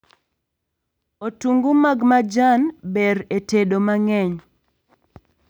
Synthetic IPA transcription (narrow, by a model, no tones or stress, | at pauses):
otuŋɡumaɡmad͡ʒanbeɾetedomaŋɛɲ